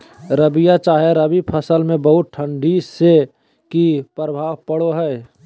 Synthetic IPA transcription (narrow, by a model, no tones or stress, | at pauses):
ɾəbijat͡ʃaːɦjaɾəbipʰəsəlmẽbəɦʊt̪̚ʈʰə̃ɳɖʱise | kipɾəbʱaːʋpəɽoɦɛː